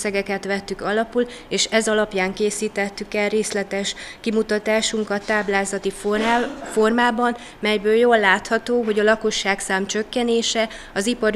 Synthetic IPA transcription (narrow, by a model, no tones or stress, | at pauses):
ɛɡɛkɛt̪ʋɛt̪ːykɒlɒpul | eːʃɛzɒlɒpjaːŋkeːsiːt̪ɛt̪ːykɛlreːslɛt̪ɛʃkimut̪ɒt̪aːʃuŋkɒt̪ːaːblaːzɒt̪iffo̞rmaːbɒn | mɛjbøːljoːlːaːt̪hɒt̪oːɦo̞ɟɒlɒko̞ʃːaːksaːmt͡ʃøkːɛneːʃɛ | ɒzipɒɾ